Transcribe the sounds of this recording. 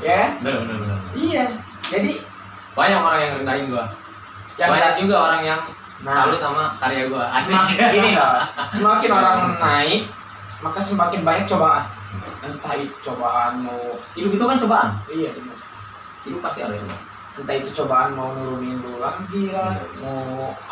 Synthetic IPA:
jabəbənəlbənərija | d͡ʒadi | baɲak̚oɾaŋjaŋrəndaɪnɡua | jaadad͡ʒuɡaoɾaŋjaŋ | nsaalɪt̪̚amakaɾiaɡuaaiainiasəmakɪnoɾaŋnai | makasəmakɪnbaɲak̚t͡ʃobaʔan | ənt̪ait̪t͡ʃobaʔanmawidʊpit̪ukant͡ʃobaʔanijadima | inupast̪ia̰ɾut͡ʃoba̰ | ənt̪ait̪ut͡ʃobaʔanmawnuɾuninbuladiama

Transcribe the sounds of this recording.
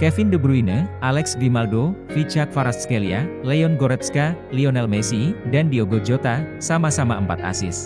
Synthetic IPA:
kɛfɪndəbɾuinəʔalɛksɡimaldofit͡ʃak̚faɾaskelia̰lɛɔnɡoɾɛt̪ska | liɔnɛlmesidandioɡod͡ʒot̪asamasamaəmpa̰t̪a̰sɪ̰s

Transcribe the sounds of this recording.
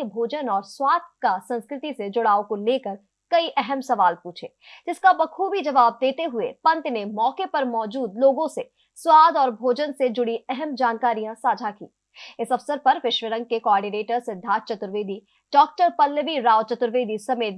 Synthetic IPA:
bʱoːd͡ʒənɔːɾswaːd̪̚kasɐ̃nskɾɪt̪ised͡ʒʊɽaːokoleːkəɾ | kɐiʔɛɦɛmsɐʋaːlpuːt͡ʃʰeːd͡ʒɪskabɐkʰubʱid͡ʒɐʋaːb̚d̪eːt̪eɦʊḛpɐ̃nt̪nemɔːkepɐɾmɔːd͡ʒuːd̪loːɡõse | swaːd̪ɔːɾbʱoːd͡ʒənsed͡ʒʊɽiɛɦɛmd͡ʒaːnkaːɾijãsaːd͡ʒʱakḭː | ɪsɐfsəɾpɐɾʋɪʃʋəɾə̃ŋɡ̚kekoɔːɾɖineːʈəɾsɪd̪ʱːaːt̪̚t͡ʃɐt̪ɾəʋeːd̪i | ɖ̥ɔːk̚ʈəɾpɐlːʋiɾaːwt͡ʃɐt̪ɾəʋeːd̪ʱisɐmeːt̪

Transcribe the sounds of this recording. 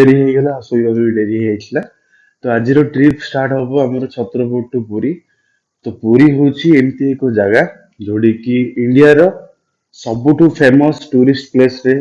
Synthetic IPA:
eɾiɦejɡalaɔsɔibɔbuiɖeɾiɦejt̪ʰila | t̪ɔad͡ʒiɾɔʈɾipʰsʈaɾʈɦɔbɔamɔɾɔt͡ʃʰɔt̪ɾɔboʈːupuɾi | t̪ɔpuɾiɦot͡ʃʰiemt̪iekɔd͡ʒaɡa | d͡ʒoɽikiiɳɖijaɾɔ | sɔbuʈʰupʰemɔsʈuɾisʈplesɾe

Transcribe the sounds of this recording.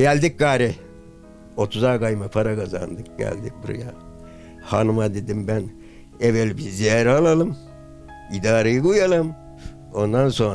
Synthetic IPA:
ɟælʲd̪ik̚ɡaːɾɛ | o̞t̪ʰuzaɡajmapʰaɾakaza̰nd̪ɯk̚ɟ̥æ̰lʲd̪ik̚buɾa̰ja | hanumad̪e̞d̪imbæn | evɛlbizijaɾalˠalˠɯm | id̪aːɾajɯɡujalˠɯm | o̞nd̪anso̞n

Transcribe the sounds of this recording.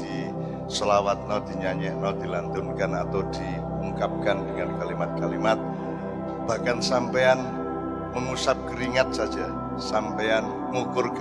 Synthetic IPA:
di | səlawat̪̚nɔd̪̥i̤ɲaɲɛʔnɔd̥ilant̪ʊnkanat̪awd̪̥i | uŋkap̚kandəŋankalimat̪̚kalimat̪̚ | b̥ahkansampean | məŋusap̚kəɾiŋat̪̚sad͡ʒa | sampean | ŋukʊrk

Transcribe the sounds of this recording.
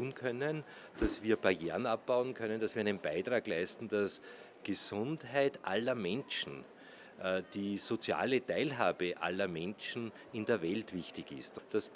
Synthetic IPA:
uːnkʰœnən | d̥asviːɐbajḛːənap̚b̥aʊənkʰœnənd̥asviːɐæɪnənb̥æɪtʁ̥aːɡlæɪstn̩d̥asɡ̥əsʊntɦæɪtʔa̰lɐmɛnʃn̩ː | d̥iːsot͡sja̰ːlətæɪlɦaːbəʔa̰lːɐmɛnt͡ʃn̩ | ɪndeːɐvɛltv̥ɪçtɪçɪstd̥as

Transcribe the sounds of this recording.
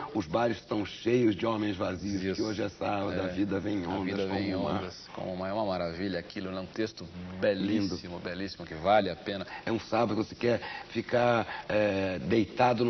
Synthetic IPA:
ʊzbajɾʊsʃt̪ɐ̃w̃ʃejʊzd͡ʒɪõmẽj̃zvaziʊisoʒɪɛsabɐd̪ɐvid̪ɐvẽj̃õ̰ndviɐd̪ɐvẽj̃õd̪ɐskõ̰mmɐ̃ɛũmɐmaɾaviʎɐakilʊnɛ̃ũt̪est̪ʊbɛlĩdsʊimʊbɛlisimʊkɪvalɪapẽnɐɛũsabɐd̪kɪvose̥kɛɾfikaɛd̪ejt̪ad̪ʊn

